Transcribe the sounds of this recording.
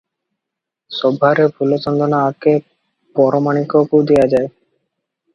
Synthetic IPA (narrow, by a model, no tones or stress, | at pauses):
ʃɔbʱːaɾepulot͡ʃɔnd̪onaatke | pɔɾomanikokuwd̪ejad͡ʑae